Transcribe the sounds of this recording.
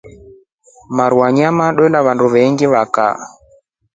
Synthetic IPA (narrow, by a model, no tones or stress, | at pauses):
maɾuaɲamaɗɔlaβanduβɛŋɡiβaka̰